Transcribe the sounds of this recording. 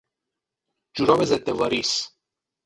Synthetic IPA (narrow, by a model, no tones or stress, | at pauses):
d͡ʒuɾɒːbezed̪ːevɒːɾis